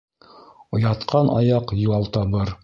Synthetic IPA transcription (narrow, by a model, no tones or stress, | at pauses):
ŏjɑt̪qʰɑnʔɑ̰jɑqjulˠɑlˠt̪ɑβɤɾ